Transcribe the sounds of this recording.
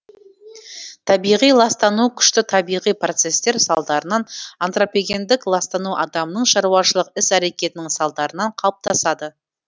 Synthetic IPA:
t̪ʰɑbijʁijlˠɑst̪ɑnukʲʰʏ̥ʃt̪ɪt̪ʰɑbijʁijpro̞t̪se̞st̪e̞ɾsɑlˠd̪ɑɾənɑnant̪ro̞peɡʲe̞nd̪ɪklˠɑst̪ɑnuʔɑd̪ɑmənəɴʃɑɾuɑʃəlˠəqɪsæɾe̞kʲe̞t̪ɪnɪŋsɑlˠd̪ɑɾənɑɴqʰɑlˠəp̚t̪ʰɑsɑd̪ə

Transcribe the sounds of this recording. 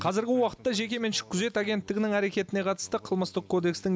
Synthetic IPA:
qʰɑzɪɾɡʲɪwɑqə̥t̪ːɑʒe̞kʲe̞menʃɪ̥kʲʰːʏze̞t̪aɡʲe̞nt̪ːɪɡʲɪnɪŋæɾe̞kʲe̞t̪ɪne̞qʰɑt̪ə̥st̪əqʰəlˠməst̪əqkʰːo̞d̪e̞kst̪ɪŋ

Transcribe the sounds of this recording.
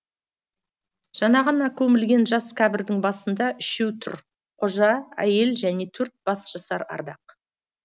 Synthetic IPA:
ʒ̥ɑnɑʁɑnɑkʲʰɵmɪlɡʲe̞nʒɑskʲʰæbɪɾd̪ɪŋbɑsənd̪ɑʔʏʃewt̪ʰʊ̰ɾ | qʰoʒɑæ̰je̞lʒæne̞t̪ʰɵɾt̪̚b̥ɑsʒ̥ɑsɑɾɑ̰ɾd̪ɑ̰q

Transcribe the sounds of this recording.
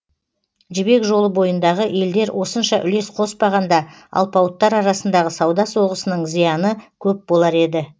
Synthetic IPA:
ʒɪbe̞kʒo̞lˠəbo̞jənd̪ɑʁəʔe̞ld̪e̞ɾwʔo̞sənʃɑʔʏ̰le̞sqʰo̞spɑʁɑnd̪ɑ | ɑ̰lˠpɑwət̪ːɑɾɑɾɑsənd̪ɑʁəsɑwd̪ɑswo̞ʁəsənəɴzijɑnəkʲʰɵp̚bo̞lˠɑɾe̞d̪ɪ

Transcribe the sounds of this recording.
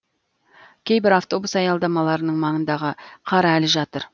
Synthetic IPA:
kʲʰejbɪɾɑft̪o̞busɑjɑlˠd̪ɑmɑlˠɑɾənəɴmɑɴənd̪ɑʁəqʰɑɾɑælɪʒɑt̪əɾ

